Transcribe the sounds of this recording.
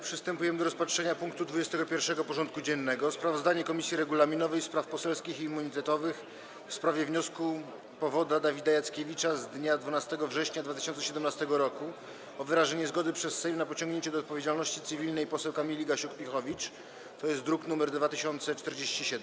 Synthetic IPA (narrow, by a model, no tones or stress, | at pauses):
pʂɘst̪ɛmpujɛmɘd̪ɔɾɔspatʂɛɲapuŋkt̪ud̪vud͡ʑɛst̪ɛɡɔpʲjɛɾfʂɛɡɔpɔʐɔnt̪̚kud͡ʑɛnːɛɡɔspɾavɔzd̪aɲɛkɔmʲisʲjiɾɛɡulamʲinɔvɛjspɾafpɔsɛlskʲixiːmːuɲit̪ɛt̪ɔvɘx | fspɾavʲjɛvɲɔsku | pɔvɔd̪ad̪avʲid̪ajat̪skʲevʲit͡ʂazd̪ɲad̪vunast̪ɛɡɔvʐɛɕɲad̪vat̪ɪɕɔnt̪sɛɕɛd̪ɛmnast̪ɛɡɔɾɔku | ɔvɘɾaʐɛɲɛzɡɔd̪ɘpʂɛsːɛjmnapɔt͡ɕɔŋɡɲeɲt͡ɕɛd̪ɔːt̪pɔvʲjed͡ʑalnɔɕt͡ɕit̪sɘvʲilnɛjpɔsɛwkamʲilʲiɡaɕukpʲixɔvʲit͡ʂ | t̪ɔjɛst̪d̪ɾuknumɛɾd̪vat̪ɘɕɔnt̪sɛt͡ʂt̪ɛɾd͡ʑeɕt͡ɕiɕɛd̪